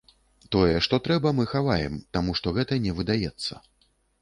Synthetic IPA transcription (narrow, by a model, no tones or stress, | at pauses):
t̪ɔjɛʂt̪ɔt̪ɾɛbɐmɨxavajɛ̰mt̪amuʂt̪ɔɣɛt̪ɐnʲɛvɨd̪ajɛt̪sːɐ̰